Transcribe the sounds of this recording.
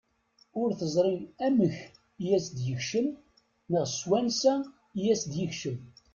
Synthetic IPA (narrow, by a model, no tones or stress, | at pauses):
ʊɾθəzˤɾˤimæməç | jæsd̪jəçʃəm | nəʁswænsæ | jæsd̪jəçʃəm